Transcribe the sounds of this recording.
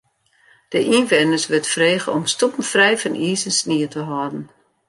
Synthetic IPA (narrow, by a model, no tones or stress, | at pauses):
d̥əʔinʋɛnəsʋɪtfreːɣəɔmstupn̩frɛjfənʔiːzənsniətəɦɔdn̩